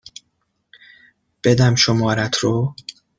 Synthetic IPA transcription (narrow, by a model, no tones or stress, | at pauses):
b̥ed̪æmʃomɒːɾæt̪ʰɾo